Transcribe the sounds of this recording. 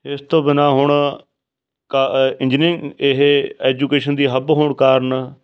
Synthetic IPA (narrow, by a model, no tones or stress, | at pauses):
ɪst̪õːbɪnaːɦʊɳ | kaɪ̃nd͡ʒnɪŋɪɦɛːd͡ʒuːkeːʃənd̪iːɦəbɦoːɳkaːɾn